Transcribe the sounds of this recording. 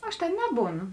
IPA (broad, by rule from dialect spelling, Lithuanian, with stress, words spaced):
ˈɐʃ tʲeːn ˈnʲæːbuːˌnʊ